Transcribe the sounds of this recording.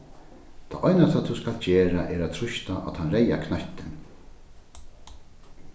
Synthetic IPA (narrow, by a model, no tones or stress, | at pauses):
t̪ʰa̰ːʔɔjnast̪ʰaːt̪ʰuskald͡ʒɛːɾaʔɛɾat̪ʰɾʊʃt̪aʔa̰t̪hanɾɛja̰kʰnaht̪ɪn